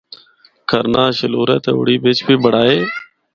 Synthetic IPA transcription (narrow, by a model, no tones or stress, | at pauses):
kʰəɾnaːʃəloːɾɛ̰ːt̪eːʊ̰ːɽiːbɪːt͡ʃbiːbəɽ̤aːeː